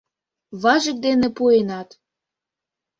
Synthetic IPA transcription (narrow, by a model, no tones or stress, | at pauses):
βɑʒə̆k̚d̪enepuenɑt̪